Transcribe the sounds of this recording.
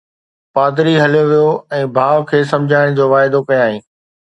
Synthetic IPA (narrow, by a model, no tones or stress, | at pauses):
paːd̪ɪɾiɦɐljoʋijoɛ̃ːbʱaːʋkʰeːsɐ̃md͡ʑʱaːɪɽ̃d͡ʑoːʋaːɪd̪okɐjaːɦĩː